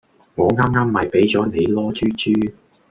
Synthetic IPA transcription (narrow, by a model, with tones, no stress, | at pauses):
ŋɔː˨˧ŋaː˥mŋaː˥mːɐ˨jpe˨˥jt͡sɔː˨˥ne˨˧jlɔː˥t͡ʃʰyː˥t͡ʃyː˥